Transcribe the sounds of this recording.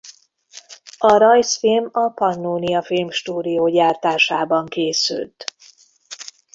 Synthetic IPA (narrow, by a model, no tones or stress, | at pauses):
ɒɾɒjsfilmɒpɒnːoːnijɒfilmʃt̪uːd̪ijoːɟaːrt̪aːʃaːbɒŋkeːsy̰lt̪